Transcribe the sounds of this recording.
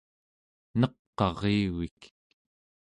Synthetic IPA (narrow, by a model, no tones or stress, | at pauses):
nʌqːɑʁiːwik